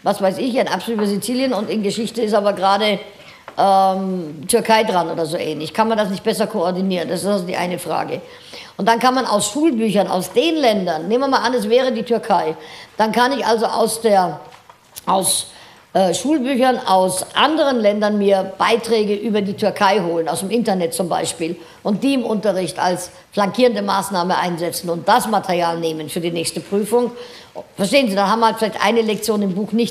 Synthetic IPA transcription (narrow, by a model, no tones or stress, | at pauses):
vasv̥aɪsɪçaɪnʔa̰psoluːtɐszit͡siːljənʊntɪnɡəʃɪçtəɪs̬taːbɐɡʁaːdə | ʔɛmtʰʏɐkʰaɪdʁanʔo̰ːdɐzoːʔɛ̰ːnlɪçkʰanmandasnɪçt̚b̥ɛs̬ɐkʰoɔɐdiniːʁənd̥asɪstalzodiːʔa̰ɪnəfʁ̥a̰ːɡə | ʔʊntd̥ankanmana̰ʊsʃuːlbyːçɐna̰ʊsd̥eːnlɛndɐnneːmvɐmaːlʔanɛsv̥ɛːʁ̞ədiːtʰʏɐkʰaɪd̥ankʰanɪçʔalzoʔa̰ʊsd̥eːɐ | ʔaʊs | ʔɛːʃuːlbyːçɐna̰ʊsʔa̰ndəʁənlɛndɐnmiːɐb̥aɪtʁ̥ɛːɡəʔyːbɐdiːtʰʏɐkʰaɪɦoːlənaʊsd̥emʔɪntɐnɛt̚t͡sʊmba̰ɪʃpiːl | ʔʊnt̚d̥iːɪmʊntɐʁɪçta̰ls | flaŋkʰiːʁəndəma̰ːsnaːməʔaɪnzɛt͡sn̩ʊnt̚d̥asmatʰɛʁjaːlneːmənfyːɐdiːnɛːçstəpʁ̥yːfʊŋ | fɛɐʃteːənziːdanhaːbmhaltfɪlaɪçtʔa̰ɪnəlɛk̚t͡sjoːnɪmbuːxnɪçt